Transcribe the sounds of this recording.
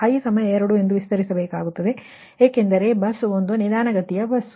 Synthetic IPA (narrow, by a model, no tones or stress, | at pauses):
ɐjsɐmɐjɐeɾɐɽue̞nd̪uʋist̪ɐɾisɐbeːkaːɡut̪ːɐd̪e̞ | eːkend̪ɐɾe̞bɐsond̪unid̪aːnɐɡɐt̪ijɐbɐs